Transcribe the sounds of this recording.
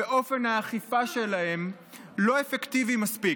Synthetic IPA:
eʔo̞fe̞naːχifaʃe̞lae̞m | lo̞efekt̪ivimaspi

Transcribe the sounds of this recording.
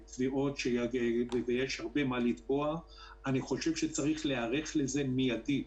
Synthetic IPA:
tviʔo̞tʃejaɡevevejeʃhaʁbe̞malit̪boa | aniχo̞ʃevʃet͡saʁiχleaʁeχlezemijadi

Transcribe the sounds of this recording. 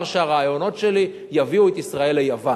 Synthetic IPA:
ʁʃeaʁaːjo̞no̞tʃe̞li | javiuet̪isʁae̞lejava

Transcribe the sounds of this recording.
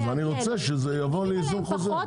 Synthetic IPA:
veaniʁo̞t͡sɛʃezejavo̞leizunχoze

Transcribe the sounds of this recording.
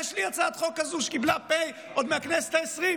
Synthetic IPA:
jɛʃlijat͡sad̪χo̞kːazuʃkiblapej | ʔod̪meakneset̪aesʁim

